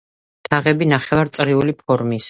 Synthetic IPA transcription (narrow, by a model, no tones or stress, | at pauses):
t̪ʰaʁɛbinaχɛvaɾt̪sʼɾiulipʰɔɾmis